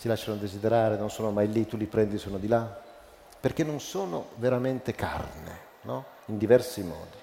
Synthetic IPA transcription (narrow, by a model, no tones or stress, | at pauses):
silaʃːanod̪ezid̪eɾaːɾenonsoːnomajlit̪ːulipɾɛnd̪isuːnod̪ila | perk̟enːonsoːno̰veɾament̪eka̰rnḛ | nɔ | ind̪ivɛrsimɔ̰ːd̪i